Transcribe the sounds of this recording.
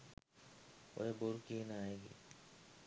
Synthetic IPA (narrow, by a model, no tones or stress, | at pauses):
o̰ɦeboɾkinaːeːɡḭː